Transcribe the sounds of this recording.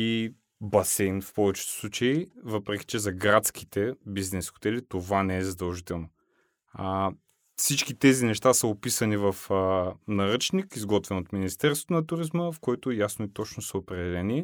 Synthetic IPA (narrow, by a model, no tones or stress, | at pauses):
i | bɐsɛjnfpɔvɛt͡ʃɛ̥t̪o̥slˠut͡ʃɐivɤpɾɛk̟ʲi̥t͡ʃɛzɐɡɾat̪sk̟i̥t̪ɛbiznɛsxo̥t̪ɛlit̪ovanɛɛzɐd̪ɐlˠʒit̪ɛlˠno | fsit͡ʃkit̪ɛzinɛʃt̪asəopisənivɐfnɐɾɤt͡ʃnikizɡɔt̪vɛnot̪minist̪ɛɾst̪vo̥t̪onɐt̪uɾizməfkoɔɛt̪ojasnoit̪ɔt͡ʃnosəopɾɛd̪ɛlɛniɛ